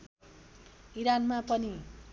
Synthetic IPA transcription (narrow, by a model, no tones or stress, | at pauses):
iɾanmapʌni